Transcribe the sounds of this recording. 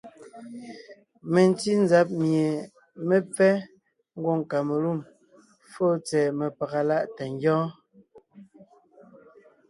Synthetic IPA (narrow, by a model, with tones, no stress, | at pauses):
me˨n˨ti˦n˦za˦p̚mje˨ | me˦p͡fɛ˦ | ŋ̩˦ɡwo˦˨ŋ˨ka˨me˨lu˦˨m | fo˦t͡sɛː˨me˨pa˨ɣa˨la˦ʔtɛ˨ŋ˦ɡɔ̃ː˦